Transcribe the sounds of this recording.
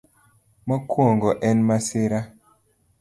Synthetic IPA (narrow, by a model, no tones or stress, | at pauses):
mɔkwoŋɡɔʔɛnmaseɾa